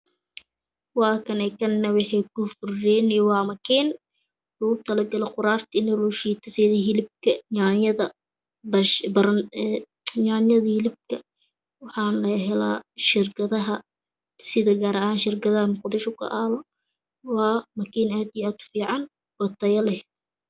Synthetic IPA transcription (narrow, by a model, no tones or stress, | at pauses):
wɑːkʰɐnɛkʰɐnːɐwɪħɛkʰʊfʊrːɛnɛwɑːmɐkʰiːn | ħuːʊt̪ʰɐlɐɡɐlɛqʊɾaːrt̪ʰɪnɐluːʃiːt̪ʰɐsɛðɐɦɪlɪb̚kʰɐɲaʕnjɐðɐ | bɐʃbɐɾɐn | ɲaʕnjɐðɐhɪlɪb̚kʰɐ | wɑħɑːnlɐɦɛla̰ːʃɪrkʰɐðɐɦɐ | sɪðɐɡaːɾɐʔaːnʃɪrkʰɐðɐhɐmʊqd̪ɪʃʊkʰɐ̰ʔaːlɔ | wɑːmɐkʰiːnaːd̪ijaːd̪̚ʰʊ̥fiːʕɑn | wɐt̪ʰɐjɐlɛh